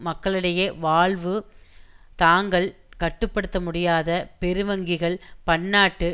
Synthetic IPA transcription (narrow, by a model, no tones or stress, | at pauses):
mɐkːɐɭɯɽɐjɐʋaːɭʋɯ | t̪aːŋɡɐɭ | kɐʈːɯpːɐɽɯt̪ːɐmʊɽɪjaːðɐpɛɾɯʋɐŋɡɪɣɐɭpɐɳːaːʈːɯ